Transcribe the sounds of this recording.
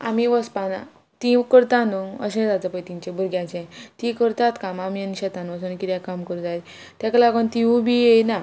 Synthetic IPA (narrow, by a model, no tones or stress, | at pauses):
a̰miʋəspana̰ | t̪ĩkəɾt̪anuə̰ɕẽd͡zat͡səpəjt̪iɲt͡ɕebʱuɾɡjãt͡ɕãt̪ikəɾt̪at̪kamamiəniɕɛt̪anʋəsunkit̪jakamkəɾũd͡za | t̪jaklaɡənt̪iũbʱijejna